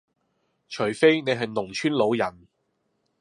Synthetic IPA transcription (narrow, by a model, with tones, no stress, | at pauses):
t͡ʃʰɵ˨˩jfe˥jne˨˧jɦɐ˨jnʊ˨˩ŋt͡ʃʰyː˥nlo˨˧wjɐ˨˩n